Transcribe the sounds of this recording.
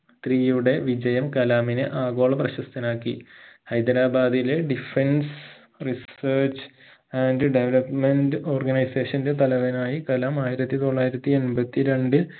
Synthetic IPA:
t̪riːjuɽe̞ʋid͡ʑɐjɐmkɐlaːminɨʔaːɡo̞ːɭɐprɐɕɐst̪ɐnaːkːihɐjd̪ɐɾaːbaːd̪ileɖifens | riseːrt͡ɕ | aːnɖɨɖeʋelɐpmendɨo̞ːrɡɐnɐjseːʂɐnde̞t̪ɐlɐʋɐnaːjikɐlaːmaːjiɾɐt̪ːit̪o̞ɭːaːjiɾɐt̪ːienbɐt̪ːiɾe̞ɳɖɨ

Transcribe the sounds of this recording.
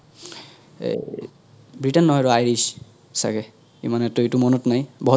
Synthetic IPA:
bɹitɛnːɔɦɔjɹɔajɹis | sa̰kɛ | ḭmanɛtuetumɔnɔtnajbɔɦ

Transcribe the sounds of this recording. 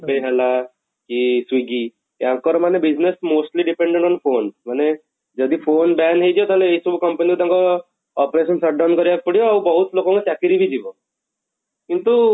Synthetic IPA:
peɦɛla | kiswiɡi | t̪jaŋkɔɾmanebid͡ʑnesmosʈliɖipẽɳɖẽɳʈɔnfonsmane | d͡ʒəd̪ifʰonbɛnɦed͡ʒɔt̪aleeisubukəmpənikut̪jãŋkɔ | ɔpɾeɕənsəɾɖawnkəɾijak̚pəɽijɔaubɔɦut̪lokɔ̃ŋkɔt̪jakiɾibʱid͡ʒiʋɔ | kint̪u

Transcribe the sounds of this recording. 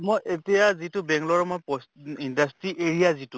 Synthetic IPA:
mojʔetijazitʊbɛŋɡlɔɹɛmɔjpɔsindastɹiʔeɹijazitʊ

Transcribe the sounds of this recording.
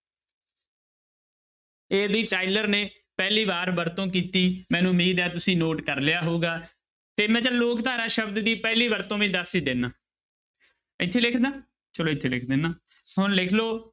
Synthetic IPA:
eːbiːʈaːɪləɾneː | pɛːliːbaːɾbəɾt̪õːk̬iːt̪iːmɛ̃ːnũːmiːd̪ɛːt̪ʊsĩːnoːʈkəɾlɪjaːɦoːɡaː | t̪eːmɛ̃ːt͡ʃəloːkt̪aːɾãːʃəbd̪d̪iːpɛːliːbəɾt̪õːʋĩːd̪əsiːd̪eːnaː | ɪt̪ʰːeːlɪkʰd̪aː | t͡ʃəloːɪt̪ʰːeːlɪ̰kʰd̪eːnaː | ɦʊnlɪkʰloː

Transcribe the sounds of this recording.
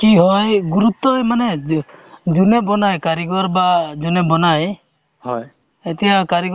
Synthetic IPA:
kiɦɔjɡuɾut̪ːɔmane | d͡ʒunebɔnajkaɾiɡɔɾbad͡ʒunebɔnaj | hɔj | et̪ɛjakaɾiɡ

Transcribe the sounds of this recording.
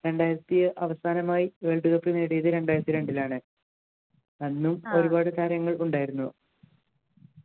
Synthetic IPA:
ɾe̞ɳɖaːjiɾɐt̪ːijɐʔɐʋɐsaːnɐmaːjiʋe̞ːɭɖuɣɐpːineːɽijɐðɨɾe̞ɳɖaːjiɾɐt̪ːiɾe̞ɳɖilaːɳɨ | ɐnːumo̞ɾubaːɽɨt̪aːɾjɐŋːɐɭuɳɖaːjiɾunːu

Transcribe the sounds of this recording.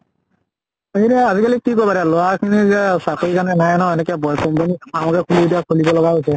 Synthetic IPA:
eɾaazikalikikojpaɹɛlɔwakʰinisakoɹikanɛnajnɔɛnɛkɛbɔjkɔmpaniamɔkɛkʰulidiakʰulibɔlɔɡaɦojsɛ

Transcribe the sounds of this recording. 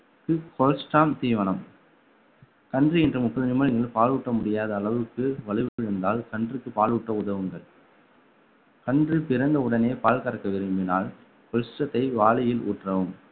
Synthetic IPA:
kɯkɔlsʈaːmt̪iːʋɐnɐm | kɐɳdrɯɛndrɐmʊpːɐðɐnɪmɐɻɪŋɡɐɭpaːluːʈːɐmʊɽɪjaːðɐːɭɐʋɯkːɯʋɐɭɪʋɯpːɪɻɯnd̪aːlkɐɳdrɯkːɯpaːluːʈːɐʊðɐʋɯŋɡɐɭ | kɐɳdrɯpɪɾɐnd̪ɐʊɽɐneːpaːlkɐɾɐkːɐʋɪɾɯmbɪnaːl | kɔlsʈɾɐt̪ːɐɪʋaːɭɪjɪlṵːʈrɐʋɯm

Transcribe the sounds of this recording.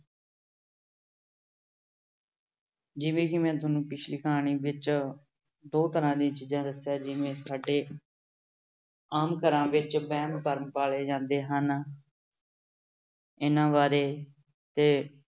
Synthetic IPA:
d͡ʒɪʋẽːkɪmɛ̃ːt̪̬ʊnũːpɪt͡ʃʰliːkəɦaːɳ̃iːʋɪt͡ʃ | d̪oːt̪əɾãːd̪ĩːt͡ʃiːd͡ʒãːd̪əsjaːd͡ʒɪʋẽːsaːɖeː | aːmkəɾãːʋɪt͡ʃbɛːmp̪əɾəmpaːɭeːd͡ʒãːnd̪eːɦən | ɪnãːʋaːɾeː | t̪eː

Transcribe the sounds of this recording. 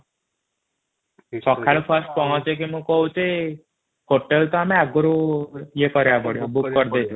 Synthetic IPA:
sɔkʰːalupʰəɾsʈ̚pɔɦɔ̃t͡ʃek̬emũkɔɦũt͡ʃe | hoʈelt̪ɔamẽaɡoɾujekɔɾjapɔɽjobukːɔɾd̪et͡ʃʰo

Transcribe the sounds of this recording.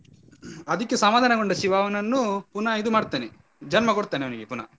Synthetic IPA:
ɐd̪ɐkːesɐmaːd̪ʱanɐɡoɳɖɐʃiʋaːʋɐnɐnːupunɐid̪umaːɽt̪aːne | d͡ʒɐnmɐkoɽt̪aːneʋɐniɡepunɐ̰

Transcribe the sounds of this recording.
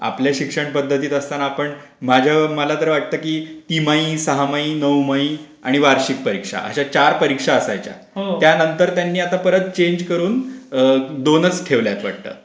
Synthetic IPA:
a̰pljaɕikʂəɳpəd̪ʱːət̪̬iːt̪əst̪anapəɳ | mad͡ʑʱjaməlat̪əɾʋaʈ̚t̪əːkiːt̪imaĩsəɦamaĩːnəwmaĩ | aɽ̃iʋaɾɕik̚pəɾikʂa̰ʔə̰ɕat͡ɕaɾpəɾikʂaəsajt͡ɕja̰ | ɦot̪janənt̪əɾt̪janːiːat̪apəɾət̪t͡ɕeɲd͡ʑkəɾuːnəd̪onət͡sʈʰeʋljat̪ʋa̰ʈ̚t̪ə̰ː

